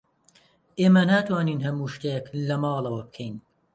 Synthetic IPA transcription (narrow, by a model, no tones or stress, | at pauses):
ʔeːmɐnaːt̪ʰwɑːniːnɦɐmuːʃt̪ejeklɐmɑːlˠɐwɐb̚kʰejn